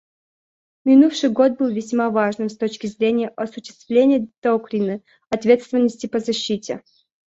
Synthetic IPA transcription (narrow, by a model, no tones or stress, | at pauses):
mʲɪnufʂɨjɡo̞t̪̚bɨlˠvʲɪsʲmavaʐnɨmst̪ot͡ɕkʲɪzɾʲenʲɪjəʔɐsʊɕːɪ̥st̪vlʲenʲɪjəd̪̥okɾʲinə | ɐt̪vʲe̞t̪st̪vʲɪnːəsʲtʲɪpəzɐɕːitʲɪ̰